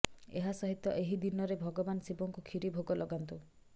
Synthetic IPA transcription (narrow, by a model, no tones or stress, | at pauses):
ḛɦasɔɦit̪ːɔʔeɦid̪inɔɾebʱɔɡɔbansibɔŋkukʰiɾibʱoɡɔlɔɡant̪u